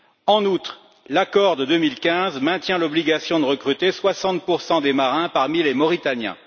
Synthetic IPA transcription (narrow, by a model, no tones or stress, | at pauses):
ɑ̃nut̪χ | lakɔʁd̪əd̪ømilkʲɛ̃zmɛ̃t̪jɛ̃lɔbliɡasjɔ̃d̪əʁəkχyt̪eswasɑ̃t̪̚puʁsɑ̃d̪emaʁɛ̃paʁmilemɔʁit̪anjɛ̰̃